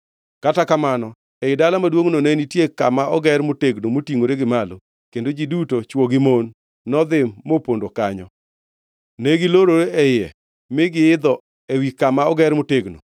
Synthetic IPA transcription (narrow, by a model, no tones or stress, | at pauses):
katakamanɔ | ɛɪdalamadwoŋnonɛnitjeka̰maɔɡɛɾmʊteɡnomotiŋoɾeɡɪmalo | kendod͡ʒidutot͡ʃwoɡɪmonː | ɔd̪ɪmːopondokaɲɔ | neɡɪloɾoɾeɛjɛ | mɪɡɪɪd̪ɔ | ewikamaɔɡɛɾmʊteɡno̰